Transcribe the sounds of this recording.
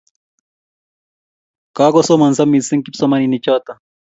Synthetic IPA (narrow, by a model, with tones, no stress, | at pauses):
ka˦kɔ˦sɔ˦ma˨nza˦mːi˨si˦ŋki˦psɔ˦ma˦ni˨ni˨t͡ʃɔ˦t̪a˨